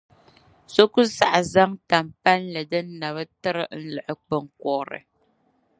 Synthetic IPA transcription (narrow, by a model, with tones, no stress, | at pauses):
so˦ku˦sa˦ʔa˨za˦ŋta˨mpa˦nlɛ˨dɨ˦n̩˦na˨βə˦tɨ˦ɾɨ˦n̩˦lɛ˨ʔə˨k͡pə˨ŋ˨k̚ɔ˨ɾɨ̰˨